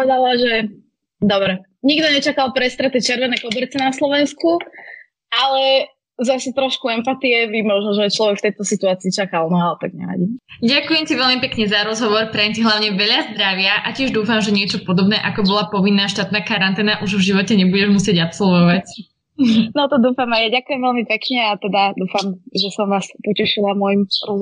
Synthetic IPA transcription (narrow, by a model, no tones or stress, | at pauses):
pɔɛd̪alaʒɛ | d̪ɔbɾɛ | ɲiɡd̪ɔɲɛt͡ʃakalˠpɾɛst̪ɾɛt̪ɛt͡ʃɪɛɾʋɛnɛːkɔbɛɾt͡sɛnaslɔʋɛnsku | ʔalɛ | zasɛt̪ɾɔʃkuɛmpat̪iɛʋimɔʒnɔʒɛat͡ʃlɔʋɛkft̪ɛjt̪ɔsit̪uaːt͡siːt͡ʃakalˠnɔat̪aɡ̚ɲɛ̰ɾa̰ɟiɟakujɛmciʋɛʎmipɛkɲɛzaɾɔzɦɔʋɔɾpɾɛjɛmciɦlaʊɲɛʋɛʎazd̪ɾaʋɪaʔacɪɛʒd̪uːfamʒɛɲɪɛt͡ʃɔpɔd̪ɔbnɛːʔakɔbɔlapɔʋinːaːʃt̪aːt̪̚naːkaɾant̪ɛːnaʔuʒvʒiʋɔcɛɲɛbuɟɛʒmusɪɛɟapsɔlʋɔʋac | nɔt̪ɔd̪uːfamajaɟakujɛmʋɛlmipɛkɲɛat̪ɛd̪ad̪uːfamʒɛsɔmʋaːspɔcɛʃilamʊɔjimɾɔ